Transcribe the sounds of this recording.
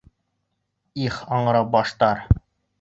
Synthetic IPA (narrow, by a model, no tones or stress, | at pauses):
iχɒɴɤ̆ɾɑp̚bɒʃt̪ɑɾ